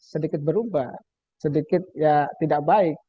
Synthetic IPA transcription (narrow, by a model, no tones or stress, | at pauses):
sədikɪt̪̚bəɾubah | sədikɪt̪̚jat̪idak̚baɪk̚